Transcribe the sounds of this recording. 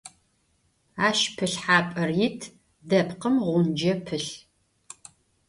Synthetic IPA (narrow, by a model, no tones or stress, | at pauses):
aːʃpʰɨɬħaːpʼɐrjɪtʰ | dɐpʰqəmʁʷʊnd͡ʒɐpʰɨɬ